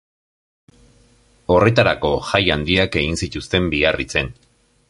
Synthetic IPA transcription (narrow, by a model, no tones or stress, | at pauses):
o̞re̞t̪aɾako̞xajand̪iake̞ɣinsit̪ust̪e̞mbiɣarit͡se̞n